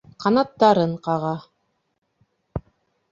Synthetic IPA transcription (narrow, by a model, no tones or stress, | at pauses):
qɑnɑt̪ːɑɾɤɴqɑʁɑ